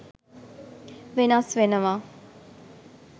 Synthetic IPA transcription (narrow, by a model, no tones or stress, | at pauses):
ʋenasʋenəʋaː